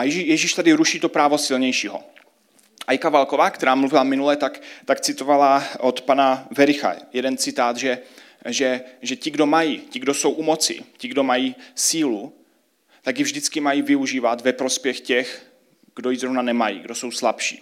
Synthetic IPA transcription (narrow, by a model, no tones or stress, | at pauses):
ajjɛʒiʃt̪adɪɾuʃiːt̪o̞pɾaːvo̞sɪlɲɛjʃiːɦo̰ | ʔajkavalko̞vaːkt̪ɛɾaːmluvɪlamɪnulɛt̪akt̪akt͡sɪt̪ovalaʔot̪panavɛɾɪxa̰jɛdɛnt͡sɪt̪aːt̪ʒɛ | ʒɛʒɛcɪɡdo̞majicɪɡdo̞so̞wʔumot͡sɪ̰cɪɡdo̞majiːsiːlu | t̪aɡjɪvʒdɪt͡skɪmajiːvɪuʒiːvat̪vɛpɾo̞spjɛxcɛx | ɡ̥do̞jizɾovnanɛmajḭːɡdo̞so̞wslapʃḭː